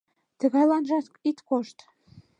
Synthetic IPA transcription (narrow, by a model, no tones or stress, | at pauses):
t̪ə̆ɣɑjlɑnʒɑt̪it̪koʃt̪